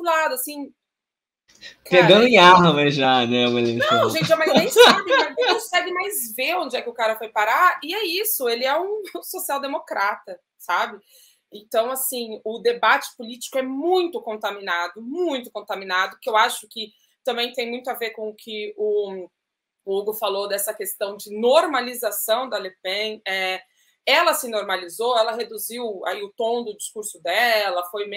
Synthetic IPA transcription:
lad̪ʊasĩ | kpeɡɐ̃nd̪ʊẽaɦmɐʒanɛmɐlenɐ̃w̃ʒẽnt͡ʃɪmɐznẽj̃sabɪkaẽɐ̃w̃sɛɡɪmajzveõd͡ʒɪɛkɪʊkaɾɐfojpaɾaɪɛisʊelɪɛũsosiawd̪emokɾat̪ɐ | sabɪ | ẽt̪ɐ̃w̃asĩʊd̪ebat͡ʃɪ̥pʊlit͡ʃɪ̥kʊɛmũj̃t̪ʊkõnt̪amĩnad̪ʊmũj̃t̪ʊkõnt̪amĩnad̪ʊkɪewaʃʊkɪ | t̪ɐ̃mbẽj̃t̪ẽj̃mũj̃t̪ʊaveɾkõʊkʰɪʊ | uɡʊfalod̪ɛsɐkest̪ɐ̃w̃d͡ʒɪnoɾmalizasɐ̃w̃d̪ɐalepẽɛ | ɛlɐsɪnoɾmalizoɛlɐɦed̪uziwa̰iʊt̪õw̃d̪ʊd͡ʒiskuɾsʊd̪ɛlɐfojme

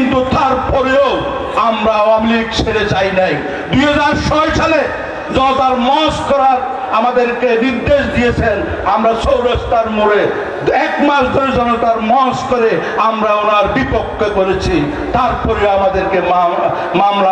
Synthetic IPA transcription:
int̪ut̪aɾpɔɾeoo | amɾaoamilikt͡ɕʰeɾet͡ɕajnaj | d̪uɦad͡ʑaɾʃɔjʃale | d͡ʑɔnot̪aɾmɔskɔɾaɾ | amad̪eɾkeniɾd̪eʃd̪ijet͡ɕʰen | amɾaʃowɾast̪aɾmoɾe | ɛkmaʃd̪ʱoɾed͡ʑɔnot̪aɾmɔskoɾeamɾaonaɾbipokʰːekoɾet͡ɕʰi | t̪aɾpɔɾeamad̪eɾkema | mamla

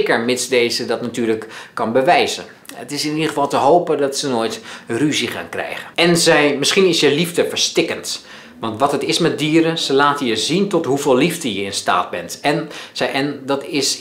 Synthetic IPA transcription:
kəɹmɪtsdejzədɑtnatyːɹləkkɑnbəʋɛjzə̰n | ətɪsɪnidəəfɑlˠtəɦowpədɑtsənoːjtryziχa̰ːnkrɛ̰jχəɛnzɛjmɪsχinɪsjəlivdəfəɹstɪkənt | ʋɑntʋɑtətɪsmɛt̚diːəɾəzəlaːtəjəzintɔtɦuvɪːlˠivdəjəɪnsta̰ːd̚bɛntɛnsʔɛndɑtɪs

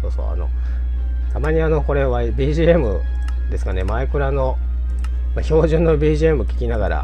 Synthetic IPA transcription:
soːso̰ːa̰no̞̰ | t̪amaɲ̟iano̞ko̞ɾe̞βabʲiːʑiːemɯ̟ | d̪e̞sɨ̥kane̞maekɯ̟ɾano̞ | maço̞ːʑɨ̃nːo̞bʲiːʑie̞mɯ̟kʲi̥kʲinaɡaɾa̰

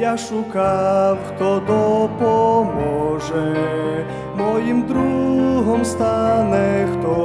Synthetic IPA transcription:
jaʂukawxt̪ɔd̪ɔpɔmɔʐɛ | mɔjimd̪ɾuɦɔmst̪anɛxt̪ɔ

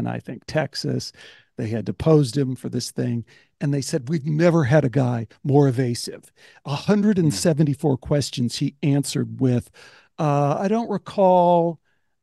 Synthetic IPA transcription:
na̰ɪθɪ̃ŋk̚tʰɛksɨ̰s | ðeɪɨd̚ɨpʰoʊzd̚ɨ̃ɱfə˞ðɪsθɪ̃ŋ | ɨ̃nðeɪsɛd̚wivnɛvə˞ɨɾɨɡaɪmɔɹɨveɪsɪv̥ | əhʌ̃ndɹɨɾɨ̃n̩sɛṽn̩tifɔɹkʰw̥ɛst͡ʃɨ̃n̩z̥hiæ̃nsə˞d̚wɪð̥ | ʌa̰ɪɾõʊ̃nʔ̚ɹɨkʰɔlˠ

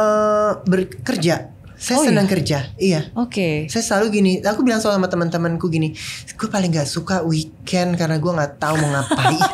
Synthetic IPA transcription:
əbərkərd͡ʒa | sajasənəŋkərd͡ʒaijaokesajasəlaluɡiniakubilaŋsolamat̪əmənt̪əmənkuɡiniɡ̥uapalɪŋɡaʔsukawikʰɛnkarənaɡuaŋaʔt̪auməŋapai

